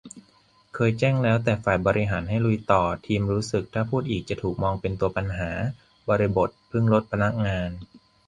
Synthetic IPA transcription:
kʰɤː˧jt͡ɕɛː˥˩ŋlɛː˦˥wt̪ɛː˨˩faː˨˩jbɔː˧ɾi˧˥ɦaː˩˦nɦa˥˩jɾu˧jt̪ɔː˨˩t̪ʰiː˧mɾuː˦˥sɯ˨˩k̚t̪ʰaː˥˩pʰuː˥˩t̪̚ʔiː˨˩k̚t͡ɕa˨˩t̪ʰuː˨˩k̚mɔː˧ŋpe˧nt̪u˧ɐpa˧nɦaː˩˦ | bɔː˧ɾi˧˥bo˨˩t̪̚pʰɯ˥˩ŋɾo˦˥t̪̚pʰa˧na˦˥k̚ŋaː˧n

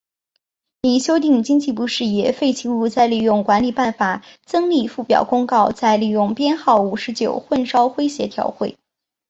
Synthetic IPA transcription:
ni˨˩ɕjo˥ʊt̪i˥˩ŋt͡ɕi˥ŋt͡ɕi˥˧˩pu˥ʂɻ̩˥˩jɛ˨˩fe˥˩ɪt͡ɕʰi˧˥u˥˧t͡sa˥˧ɪli˨˩jʊ˥˩ŋkwa˧˥nli˨˩pa˥˩nfa˨˩t͡sɤ˥ŋli˥˩fu˥˩pjɑ̰˨˩ʊkʊ˥ŋkɑ˥˧ʊt͡sa˥˧ɪli˥˩jʊ˥˩ŋpjɛ˥nxɑ˥˩ʊu˨˩ʂɻ̩˧˥t͡ɕjo̰˨˩ʊxwə˥˩nʂɑ˥ʊxwe˥ɪɕjɛ˧˥t̪ʰjɑ̰˧˥ʊxwe˥˩ɪ

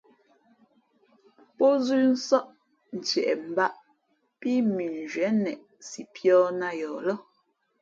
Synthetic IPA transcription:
pɔ˦zʉ˦n̩˦sɔ˦ʔ | n̩˨t͡ʃɛ˨ʔɛ˨m̩˨ba˦ʔ | pi˦mi˨n˨d͡ʒɥɛ˨˦nɛ˨ʔ | si˨pjɔː˦na˦jɔː˨lɔ˦

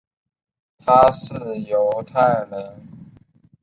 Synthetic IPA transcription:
t̪ʰa˥ʂɻ̩˥˩jo˧˦˥ʊt̪ʰa˥˩ɪ˨ɻə˧˦˥n

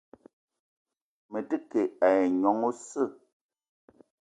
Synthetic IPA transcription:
me˨tɨ˦ke˨a˨je˨ɲɔ˨˦ŋo˦sə˦˨

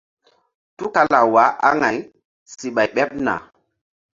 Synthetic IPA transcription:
tu˦ka˦la˨wa˨˦ʔa̰˦ŋa˨j | si˨ɓa˨jɓɛ˦p̚na̰˨

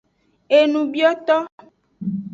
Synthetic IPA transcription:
e˨nũ˨bi˦ɔ˦t̪ɔ˦

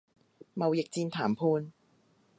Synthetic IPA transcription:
mɐ˨wjɪ˨k̚t͡siː˧nt̪ʰaː˨˩mpʰuː˧n

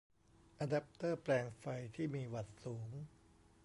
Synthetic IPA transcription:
ʔa˧da˦˥p̚t̪ɤː˥˩plɛː˧ŋfa˧jt̪ʰiː˥˩miː˧wa˨˩t̪̚suː˩˦ŋ

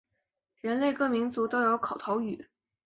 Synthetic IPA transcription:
ɻə˧˥nle˥˧ɪkɤ˥˩mi˧˥ŋt͡su˧˥t̪o˥ʊjo˧˥ʊkʰɑ˨˩ʊt̪ʰo˧˥ʊy̰˨˩˦

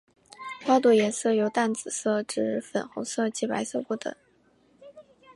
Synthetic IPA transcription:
kwɑ˥ʊt̪u˧˩jɛ˧˥nsɤ˥˩jo˧˥ʊt̪a˥˩nt͡sɹ̩˨˩sɤ˥˩ʈ͡ʂɻ̩˧˥fə˨˩nxo˧˥sɤ˥˧t͡ɕi˧˥˩pa̰˧˥ɪsɤ˥˧pu˥˩t̪ɤ̰˨˩˦

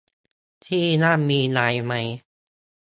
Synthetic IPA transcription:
t̪ʰiː˥˩naː˥˩miː˧naː˧jma˦˥j

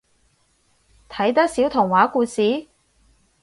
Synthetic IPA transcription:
t̪ʰɐ˨˥jt̪̬ɐ˥k̚siː˨˥wt̪ʰʊ˨˩ŋwaː˨˥kuː˧siː˨˥

